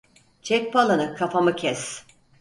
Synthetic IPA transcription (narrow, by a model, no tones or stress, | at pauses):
t͡ʃʰɛk̚ʲpʰalˠanɯkʰafamɯcʰɛs